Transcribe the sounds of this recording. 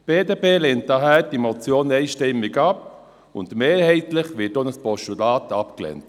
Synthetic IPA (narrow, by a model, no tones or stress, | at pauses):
b̥eːdeːpeːlɛnt̚daɦæːɾd̥imɔt͡sjoːnɛjʃtɛmːɪɡap | ʊndmeːɾhɛɪtləχʋɪət̚ːonəspɔʃulaːtʰɑpklɛ̰nt